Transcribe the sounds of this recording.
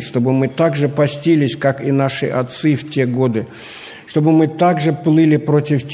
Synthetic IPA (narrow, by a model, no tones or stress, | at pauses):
ʂt̪o̞bɨmɨt̪aɡʐɨpɐsʲtʲilʲɪsʲkakinaʂɨ̰ʔɐt̪sɨftʲe̞ɡo̞d̪ɨ | ʂt̪o̞bɨmɨt̪aɡʐɨplˠɨlʲɪpɾo̞tʲɪftʲ